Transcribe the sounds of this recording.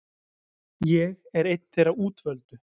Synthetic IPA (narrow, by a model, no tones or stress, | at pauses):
jɛɣɛɾejt̪n̥t̪ːɪɾawuːt̪vœlt̪ʏ